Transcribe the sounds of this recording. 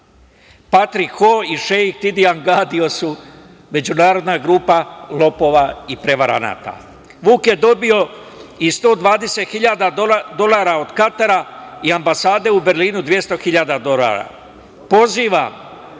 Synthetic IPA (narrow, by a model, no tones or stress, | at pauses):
pat̪ɾikxoiʃeikt̪id̪iaŋɡaːd̪io̞su | me̞d͡ʑunaːɾo̞d̪naɡɾuːpalˠo̞po̞ːʋaipɾe̞ʋaɾa̰na̰ːt̪a̰ | ʋuːkje̞d̪o̞bio̞ | ist̪o̞ːd̪ʋaːd̪e̞se̞t̪xiʎad̪ad̪o̞lˠaːɾao̞d̪kat̪aɾaiambasaːd̪e̞ube̞ɾliːnud̪ʋje̞st̪o̞xiʎad̪ad̪o̞la̰ɾa̰ | po̞ziːʋam